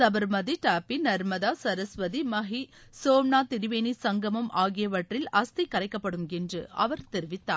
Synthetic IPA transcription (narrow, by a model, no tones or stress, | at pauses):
sɐbɐɾmɐðiʈaːpinɐɾmɐðaːsɐɾɐsʋɐðimɐɦisoːmnaːt̪ɪɾɪʋeːnisɐŋɡɐmɐmʔaːɣɪjɐʋɐʈrɪlɐst̪ɐkːɐɾɐɪkːɐpːɐɽɯmɛndrɯ̰ɐ̰ʋɐɾt̪ɛɾɪʋɪt̪ːaː